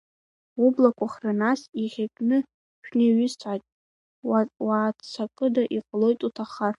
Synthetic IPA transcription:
ublakʷʰaχranasiχʲakʲʼnɨ | ʃᶣneɥʏst͡sʰʼatʼ | waːt͡sʰakʼɨdaʔiqʼlo̞jtʼutʰaχar

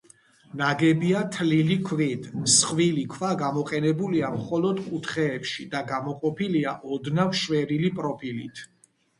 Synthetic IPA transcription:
naɡɛbiat̪ʰlilikʰvid̪ʰsχvilikʰvaɡamɔqʼɛnɛbuliamχɔlɔd̪kʼut̪ʰχɛːpʃid̪aɡamɔqʼɔpiliaʔɔd̪navʃwɛɾilipʼɾɔpʰilit̪ʰ

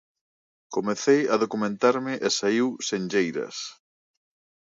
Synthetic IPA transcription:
komeθejaðokumẽnt̪aɾmɪʔesaiwsend͡ʒejɾɐ̰s

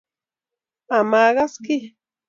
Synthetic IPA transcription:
amaːɢɑskɪ

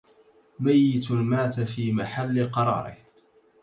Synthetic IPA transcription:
majːɪt̪maːt̪afiːmaħalːɪqɑɾˤɑ̰ːɾˤɪ̰h

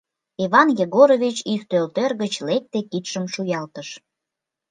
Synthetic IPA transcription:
iβɑnjeɣoɾovʲit͡ɕik̚t̪ølt̪ørɣət͡ɕlek̚t̪ekit̪ʃəmʃujɑlt̪əʃ

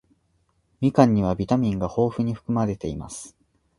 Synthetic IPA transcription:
mʲikãɲ̟ːiβ̞abʲit̪amʲĩŋɡaho̞ːɸɯ̟ɲ̟iɸɯ̟̥kɯ̟maɾe̞t̪e̞ima̰sɨ̥

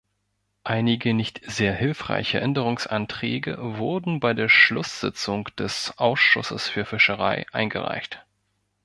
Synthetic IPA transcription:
ʔaɪnɪɡənɪçtz̥eːɐhɪlfʁ̥a̰ɪçəʔɛndəʁ̞ʊŋsʔa̰ntʁ̥ɛːɡə̰vʊɐdn̩baɪdeːɐʃlʊsz̥ɪ̰t͡sʊŋd̥ɛsʔaʊsʃʊ̰səsfyːɐfɪʃəʁ̞aɪʔaɪnɡə̰ʁa̰ɪçt

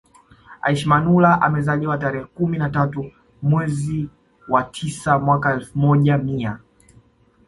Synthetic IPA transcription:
a̰iʃmanulaʔa̰mɛzaʄiwataɾɛɛkuminatatu | mwɛzi | watʰisamwakaɛlfumɔʄamia

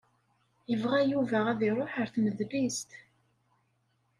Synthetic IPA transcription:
jəvʁæjuvæʁæðiɾˤoħəɾθməðlist̪

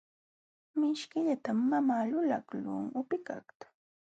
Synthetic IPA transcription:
mɪʃkɪʎat̪amːamaːlʊla̰klʊ̰ŋʊpɪka̰kt̪ʊ̥

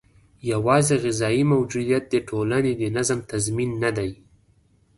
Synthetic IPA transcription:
jawɑzeɣɪzɑjimawd͡ʒud̪ijat̪̚d̪əʈʰolaned̪ənazəmt̪azminːad̪aj

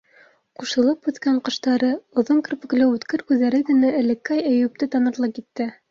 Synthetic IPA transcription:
quʃɤ̆lˠɤpʉt̪kæɴqɤ̆ʃt̪ɑɾɤŏðoŋkɵ̆ɾpɘ̆klɘʉt̪kɘɾkʉððːæɾɘɡɘ̆nææ̆lɘ̆kːæjæ̆jʉp̚t̪ɘt̪ɑnɤ̆ɾlˠɤp̚kit̪ːɘ

